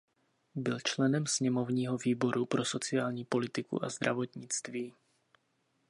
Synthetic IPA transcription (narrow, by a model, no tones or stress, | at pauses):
bɪlt͡ʃlɛnɛmsɲɛmo̞vɲiːɦo̞viːbo̞ɾupɾo̞so̞t͡sɪaːlɲiːpo̞lɪt̪ɪkṵʔazd̪ɾavo̞t̪ɲɪt͡st̪viː